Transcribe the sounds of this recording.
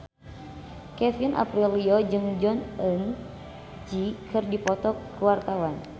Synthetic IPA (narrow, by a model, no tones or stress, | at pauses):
kɛfinʔa̰pɾiliɔd͡ʒɨŋd͡ʒɔnʔən | d͡ʒikʰɨrdipɔt̪ɔkəwart̪awan